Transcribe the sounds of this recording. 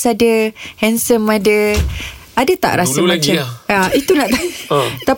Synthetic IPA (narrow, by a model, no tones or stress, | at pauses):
sadəhɛnsəmadə | adət̪a̰ʔɾasamat͡ʃaait̪unaʔt̪at̪a